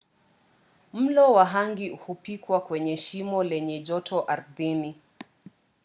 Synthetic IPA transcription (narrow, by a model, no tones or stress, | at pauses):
m̩lɔwaɦaŋɡihupikwakwɛɲɛʃimɔlɛɲɛʄɔtʰɔʔaɾðini